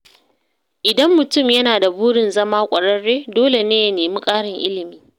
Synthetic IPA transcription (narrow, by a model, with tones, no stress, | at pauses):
ʔɪ˨dɐ˦mːʊ˨tʊ˦˨mjɐ˦naː˨da˨buː˦ɽɪ˨nzɐ˦maː˦kʷʼɐ˨ɽɐ˦rːeː˦doː˦le˨neː˦jɐ˦neː˨mi˦kʼaː˦ɽɪ˨ŋʔɪ̰˦lɪ˨miː˦